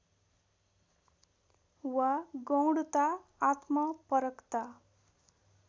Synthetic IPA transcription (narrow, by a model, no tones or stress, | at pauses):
waɡʌwɽut̪aːt̪mʌpʌɾʌkt̪a